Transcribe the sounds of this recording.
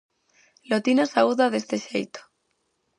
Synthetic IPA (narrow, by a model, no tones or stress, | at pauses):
lot̪inasauðaðe̞st̪eʃejt̪o̥